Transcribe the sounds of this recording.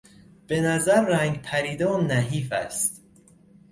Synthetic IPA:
b̥e̞næzæɾːæŋɡpʰæɾiːd̪ɒːmnæɦiːfæ̰st̪

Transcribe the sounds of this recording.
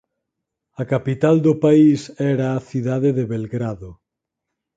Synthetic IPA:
ɐkapit̪ald̪ʊpaisɛɾaːθiðaðeðeβelɡɾaðʊ

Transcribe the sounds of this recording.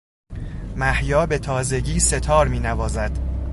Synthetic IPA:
mæhjɒːbe̞t̪ʰɒːze̞ɟiːse̞t̪ʰɒːɾmiːnævɒːzæd̪̥

